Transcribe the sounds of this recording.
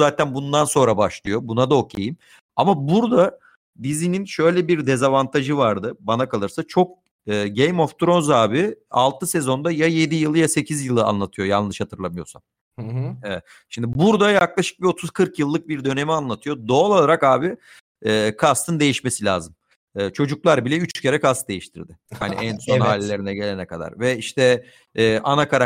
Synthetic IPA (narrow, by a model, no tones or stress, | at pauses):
zaːt̪ʰænbund̪anso̞nɾabaʃlˠɯjo̞bunad̪aokʰejim | amabuɾd̪a | d̪izininʃø̞jlʲɛbiɾd̪ezavant̪ʰaʒɯvaɾd̪ɯbanakʰalˠɯɾsat͡ʃʰo̞k̚ | ɯːɟejmo̞ft̪ɾo̞nzaːbia̰lˠt̪ʰɯse̞zo̞nd̪ajaje̞d̪ijɯlˠɯjase̞cʰizjɯlˠɯa̰nlˠat̪ʰɯjo̞ja̰lˠnɯʃhat̪ʰɯɾlˠamɯjo̞sa̰n | ɛvɛt̪ | ʃimd̪ɪbuɾd̪ajaklˠaʃɯ̥k̚bio̞t̪ʰuz̥kʰɯɾkjɯlˠːɯk̚biɾd̪ø̞ne̞mianlˠat̪ʰɯjo̞d̪o̞ːlˠalˠaɾakaːbiː | kʰast̪ʰɯnd̪e̞jiʃme̞silʲaːzɯm | ɯːt͡ʃʰo̞d͡ʒuklˠaɾbilʲɛyt͡ʃcʰe̞ɾɛkast̪d̪e̞jiʃt̪ʰḭɾd̪ɪha̰nḭʔænsohaːlʲilʲe̞ɾinɛɟe̞lʲenɛkad̪a̰ɾvɛiʃt̪ʰɛː | ʔanakʰaɾa